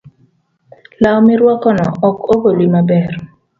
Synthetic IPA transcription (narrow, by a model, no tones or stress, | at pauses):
lawmɪɾwɔkɔnɔɔkobolwimabɛr